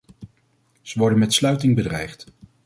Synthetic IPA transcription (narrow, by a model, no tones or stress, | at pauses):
z̥əʋɔɹdənmɛtslœɥtɪŋbədrɛ̰jχt